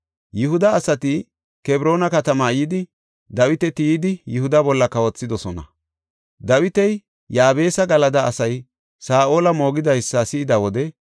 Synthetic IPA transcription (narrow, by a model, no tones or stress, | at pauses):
jʊɦʊd̪ɐːsɐt̪ɪ | kɛbɾo̞ːnɐkɐt̪ɐmɐjiːd̪ɪ | d̪ɐwɪt̪ɛt̪ɪjːd̪ɪjʊhʊd̪ɐbɔlːɐkɐwɔt͡sːɪd̪ɔsɔnɐ̰ | d̪ɐwɪt̪ɛj | jaːbe̞ːsɐɡɐlɐd̪ɐːsɐj | saːʔo̞ːlɐmo̞ːɡɪd̪ɐjsːɐsɪɪd̪ɐwɔd̪ɛ